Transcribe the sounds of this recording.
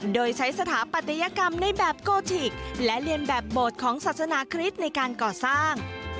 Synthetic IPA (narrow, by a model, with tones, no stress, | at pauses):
doː˧jt͡ɕʰa˦˥jsa˧t̪ʰaː˩˦pa˨˩t̪ʰa˧ja˧ka˧mna˧jbɛː˨˩p̚koː˧t̪ʰi˨˩k̚lɛ˦˥li˧ənbɛː˨˩p̚boː˨˩t̪̚kʰɔː˩˦ŋsaː˨˩t̪̚sa˧naː˩˦kʰɾi˦˥t̪̚na˧jkaː˧nkɔː˨˩saː˥˩ŋ